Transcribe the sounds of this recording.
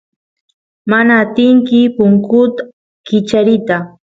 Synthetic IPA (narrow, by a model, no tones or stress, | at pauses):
manaːt̪ɪŋkɪpʊŋkʊt̪a | kɪt͡ʃaɾɪt̪a